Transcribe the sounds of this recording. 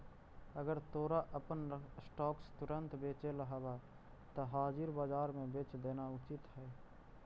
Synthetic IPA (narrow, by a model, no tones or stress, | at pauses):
əɡəɾt̪oːɾaʔəpənsʈɔːkst̪ʊɾə̃nt̪beːt͡ʃeləɦaba | t̪oɦaːd͡ʒɪɾbaːd͡ʒaːɾmẽbeːt͡ʃd̪eːnaʊt͡ʃɪt̪ɦɛː